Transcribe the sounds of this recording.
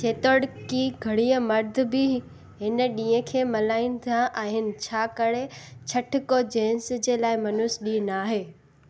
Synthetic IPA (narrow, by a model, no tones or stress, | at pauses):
t͡ɕʰeːt̪oːɽkiɡʱɐɽiəmɐɾd̪ʱʊ̆bɪ | ɦɪnə̆ɗĩːə̃kʰeːmɐlaːĩnd̪ʱaʔaːɦɪnɪ̆t͡ɕʰaːkɐɽet͡ɕʰɐʈʰɪkod͡ʑẽːnsd͡ʑeːlaːɪmɐnʊsɗiːnaːɦeː